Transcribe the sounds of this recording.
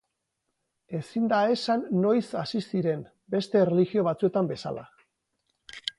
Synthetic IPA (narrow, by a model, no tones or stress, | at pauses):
e̞sind̪ae̞sanːo̞jsasisiɾe̞m | be̞st̪e̞reliɣio̞β̞at͡sue̞t̪ambe̞sa̰la̰